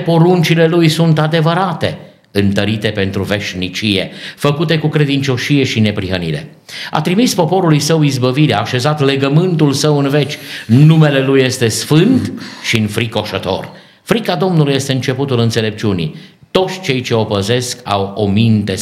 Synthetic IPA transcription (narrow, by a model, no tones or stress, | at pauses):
po̞ɾunt͡ʃile̞lujsunt̪ad̪e̞vəɾat̪e̞̰ | ɨnt̪əɾit̪e̞pe̞nt̪ɾuve̞ʃnit͡ʃije̞̰fəkut̪e̞kukɾe̞d̪int͡ʃo̞ʃije̞ʃine̞pɾiɦənḭɾe̞̰ | a̰t̪ɾimispo̞po̞ɾulujsəwizbəviɾaːʃe̞zat̪le̞ɡəmɨnt̪ulsəwɨnve̞t͡ʃʲnume̞le̞lujːe̞st̪e̞sfɨnt̪ʃiɨnfɾiko̞ʃət̪o̞̰r | fɾikad̪o̞mnuluje̞st̪e̞ɨnt͡ʃe̞put̪ulɨnt̪sele̞p̚t͡ʃunḭ | t̪o̞t̪sʲt͡ʃe̞jt͡ʃe̞o̞pəze̞ska̰wo̞mint̪e̞